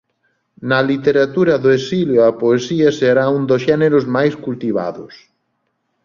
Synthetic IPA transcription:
nɐlit̪eɾat̪uɾɐðoesiljoɐpoesiɐseɾaũnd̪osʃɛneɾʊzmajskult̪iβa̰ðʊs

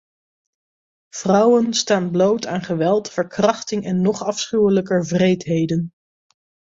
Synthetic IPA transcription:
v̥rʌwənstaːnblowtaːnχəʋɛlˠtfəɹkrɑχtɪŋʔɛnːɔχɑfsχywələkəɹvrejtɦejdən

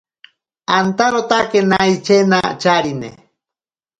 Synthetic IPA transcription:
ant̪aɾot̪akenait͡ʃenat͡ʃaɾinḛ

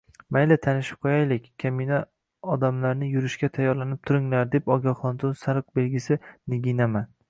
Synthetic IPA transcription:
majlat̪ʰanɪʃɪ̥p̚qʰojajlɪkʲːʰamina | ɒd̪amlaɾnɪjʊɾɪʃkʲat̪ʰajːɒɾlanɪp̚t̪ʰʊɾɪŋlaɾd̪e̞pɒɡʲaχɒnt̪ʊnsaɾɨq̚belɡʲɪsɪnɪɡʲinaman

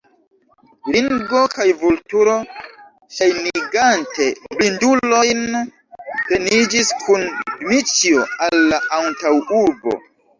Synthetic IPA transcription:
liŋɡo̞kajvultuɾo̞ | ʃajniɡante̞blindulo̞jn | te̞nid͡ʒiskʰunmit͡ʃioalːaʔantawuɾbo̞̰

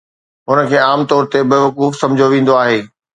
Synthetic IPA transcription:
ɦʊnə̆kʰeːaːmt̪ɔːɾt̪ebɪʋɐkuːfsɐ̃md͡ʑʱoʋĩːn̆d̪oaːɦeː

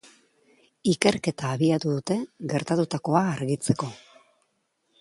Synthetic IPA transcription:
ike̞ɾke̞t̪aːβiat̪uðut̪e̞ɣe̞ɾt̪at̪ut̪ako̞aːɾɣit͡se̞ko̞

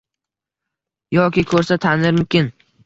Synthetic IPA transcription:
jɒkʲɪkʰɵɾsat̪ʰanɪɾmʊmkʲɪn

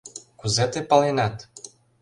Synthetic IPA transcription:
kuzɛt̪ɛpalɛnat̪

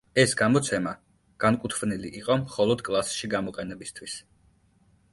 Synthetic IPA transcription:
ɛsɡamɔt̪sʰɛma | ɡ̥ankʼut̪ʰvniliʔiqʼɔmχɔlˠɔd̪kʼlˠasʃiɡamɔqʼɛnɛbist̪ʰwis

